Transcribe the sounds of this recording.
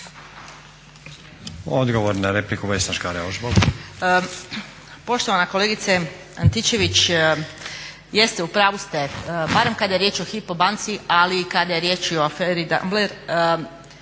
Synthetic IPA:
o̰d̪ɡoʋoɾnaɾeplikuʋesnaʃkaɾeoʒbol | po̞ʃt̪o̞ʋanakoleːɡit̪se | ant̪it͡ʃe̞ʋit͡ʃ | je̞st̪eupɾaːʋust̪ebaːɾemkad̪ajeɾje̞ːt͡ʃoxipobant̪sialiːkad̪aje̞ɾje̞ːt͡ʃioafeːɾid̪a̰mbleɾ

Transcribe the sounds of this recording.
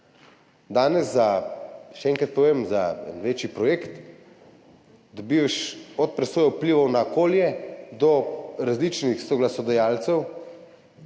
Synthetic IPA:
d̪aːnɛzːaʃɛɛːŋkɾt̪poemza̰ɛ̰nʋeːt͡ʃjipɾɔjeːkt̪ | d̪ɔbiːʋaʃɔt̪̚pɾɛsoːjawpliːʋɔwnaokoːljɛd̪ɔɾazlit͡ʃnixsɔɡlasɔd̪ɔjaːlt̪sɛw

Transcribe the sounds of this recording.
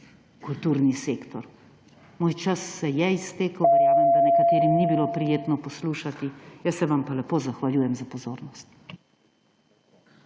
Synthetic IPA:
kult̪uːɾniseːkt̪ɔɾ | moːjt͡ʃasːɛjɛist̪eːkəwʋɛɾjaːmɛmd̪anɛkat̪eːɾimnibiloːpɾijeːt̪nɔpɔsluːʃat̪ijəsːɛʋampalɛpoːzaxʋaljuːjɛmzapɔzoːɾnɔst̪̚

